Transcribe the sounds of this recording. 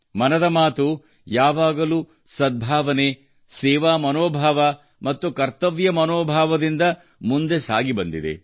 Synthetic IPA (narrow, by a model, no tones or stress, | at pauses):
mɐnɐd̪ɐmaːt̪u | jaːʋaːɡɐluː | sɐd̪̚bʱaːʋɐne | sɛːʋaːmɐnoːbʱaːʋɐ | mɐt̪ːukɐɾt̪ɐʋjɐmɐnoːbʱaːʋɐd̪ind̪ɐ | mund̪e̞sa̰ːɡibɐnd̪id̪ḛ